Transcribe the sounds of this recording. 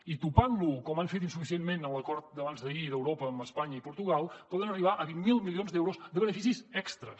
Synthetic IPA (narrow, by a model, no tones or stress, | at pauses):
it̪upanlukɔmaɱfet̪̬insufisienmenələkɔɾt̪̚d̪əβanzðəiðəwɾopəːməspaɲəipuɾt̪uɣalˠpɔðənəriβ̞aʔəβiŋmilˠmilionzd̪ɛwɾuzd̪əβənəfisizɛkst̪ɾə̰